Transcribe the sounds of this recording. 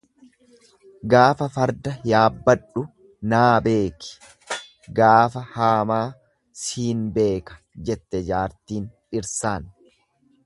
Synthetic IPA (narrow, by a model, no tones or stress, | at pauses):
ɡaːfɐfɐɾd̪ɐjaːbːɐᶑʊ | naːbe̞ːkɪ̥ | ɡaːfɐhaːmaː | siːnbe̞ːkɐ̥ | d͡ʒɛt̪ːɛd͡ʒaːɾt̪iːn | ɪɾsaːn